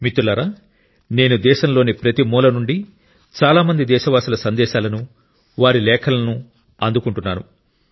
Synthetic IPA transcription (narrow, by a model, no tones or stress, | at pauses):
mit̪ulɐɾaː | ne̞ːnud̪ɛːʃɐmlo̞ːnipɾɐt̪imuːlɐnuɳɖi | t͡ʃaːlaːmɐnd̪id̪ɛːʃɐʋaːsulɐsɐnd̪ɛːʃaːlɐnu | ʋaːɾilɛːkʰɐlɐnu | ɐnd̪ukuɳʈunːaːnṵ